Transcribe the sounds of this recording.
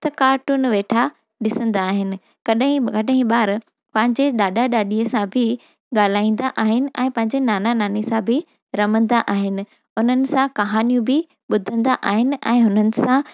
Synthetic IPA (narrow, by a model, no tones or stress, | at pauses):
t̪ɐkaːʈʊnɪ̆ʋeːʈʰa | ɗɪsə̃nd̪aːɦɪnɪ̆ | kɐɗɦĩkɐɗɦĩɓaːɾ | pɐ̃ɦɪ̃ɲd͡ʑeɗaːɗaɗaːɗiəsãbʱɪ | ɡaːl̤aːĩːn̆d̪aʔaːɦɪnɪ̆ʔɛ̃ːpɐ̃ɦɪ̃ɲ̆d͡ʑenaːnanaːnesãbʱɪ | ɾɐmə̃nd̪aʔaːɦɪnɪ̆ | ʊn̤ənɪ̆sãkɐɦaːnijũbɪ | ɓʊd̪ʱə̃nd̪aʔaːɦɪnɪ̆ʔɛ̰̃ːɦʊnənɪ̆sã